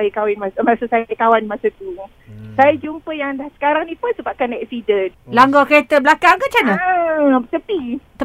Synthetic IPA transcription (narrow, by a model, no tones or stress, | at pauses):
ajikawɪnmasamasəsakawanmasət̪u | sajad͡ʒumpəjaŋdahsə̥kaɾaŋnipʊnsəbap̚kanɛk̚sidənlaŋɡɔkəɾet̪əblakaŋkət͡ʃanə | t̪əpit̪ə